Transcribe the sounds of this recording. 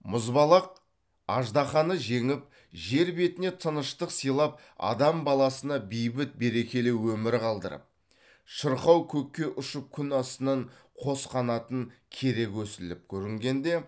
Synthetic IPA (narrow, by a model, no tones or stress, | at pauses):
mʊzbɑlˠɑq̚ | ɑʒd̪ɑχɑnəʒe̞ŋɪp̚ | ʒe̞ɾbe̞t̪ɪne̞t̪ʰənəʃt̪əqsijlˠɑp̚ | ɑ̰d̪ɑmbɑlˠɑsənɑbijbɪt̪̚be̞ɾe̞kʲe̞lewɵmɪɾqʰɑlˠd̪ə̰ɾə̰p̚ | ʃəɾχɑwkʲʰɵkʲːe̞ʔʊʃəp̚kʲʰʏnɑst̪ənɑɴqʰo̞sqɑnɑt̪əŋkʲʰe̞ɾe̞kʲwɵsɪlɪp̚kʲʰɵɾɪŋɡʲe̞nd̪e̞